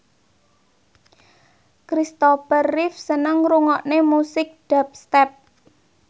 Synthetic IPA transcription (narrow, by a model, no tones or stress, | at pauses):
kɾist̪opərːɪfsənəŋruŋɔʔnemusɪk̚ɖ̥ap̚st̪ɛp̚